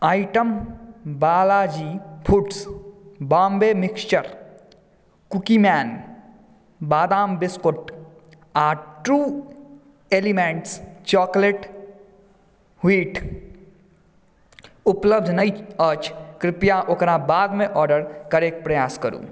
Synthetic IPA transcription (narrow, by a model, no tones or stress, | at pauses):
aːjʈəmbaːlaːd͡ʒiːpʰuʈsbaːmbeːmɪkst͡ʃəɾ | kukimaːn | baːd̪aːmbɪskoʈ | aːɾʈuː | eːlimẽɳʈst͡ʃɔːkleʈ | hiːʈ | upləb̚d̪ʱnəjət͡ʃkɾɪpjaʔokɾabaːd̪mẽʔɔːɾɖəɾkɐɾeːk̚pɾɐjaːskəɾṵː